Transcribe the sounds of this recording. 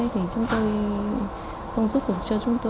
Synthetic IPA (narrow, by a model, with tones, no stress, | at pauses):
jt̪ʰi˨˩t͡ɕʊ˨˦ŋ͡mt̪o˧j | xə˧wŋ͡mzu˦˥p̚ku˨˩t͡ɕɔ˧t͡ɕʊ˨˦˥ŋ͡mt̪o˧